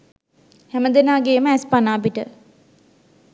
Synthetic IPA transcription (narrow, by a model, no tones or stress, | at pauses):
hɛməd̪enaːɡeːməæspanaːpiʈə